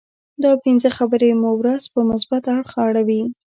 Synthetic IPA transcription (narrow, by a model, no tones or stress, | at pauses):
d̪ɑpinzəxabəɾemowɾazpəmʊs̬bat̪aɽxɑɽawi